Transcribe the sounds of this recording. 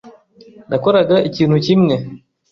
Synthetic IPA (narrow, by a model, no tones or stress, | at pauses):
nakɔɾaɡaicinucimnɛ